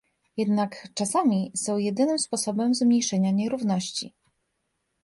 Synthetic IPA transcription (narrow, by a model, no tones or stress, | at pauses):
jɛd̪nakt͡ʂasamʲisɔ̃w̃jɛd̪ɘnɘmspɔsɔbɛmzmɲejʂɛɲaɲɛɾuvnɔɕt͡ɕḭ